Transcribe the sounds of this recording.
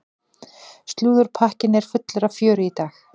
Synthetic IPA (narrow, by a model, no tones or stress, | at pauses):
st̪luːðʏɾ̥pʰahcɪnɛɾ̥fʏt̪lʏɾavfjœːɾʏit̪aːx